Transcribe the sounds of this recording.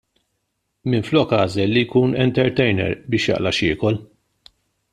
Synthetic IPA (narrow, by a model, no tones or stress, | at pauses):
mɪnflɔːkɐːzɛlːijkuːnɛnt̪ɛɾt̪ɛjnɛ̰ɾbɪːʃjɐ̰ʔlɐʃɪːkɔl